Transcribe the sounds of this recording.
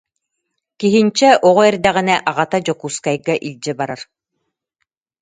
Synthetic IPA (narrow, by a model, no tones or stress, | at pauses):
kiɦint͡ɕɛʔɔʁɔɛɾd̪æʁinɛʔaʁat̪ad͡ʑɔkuːskajɡaʔilʲd͡ʑɛbaɾaɾ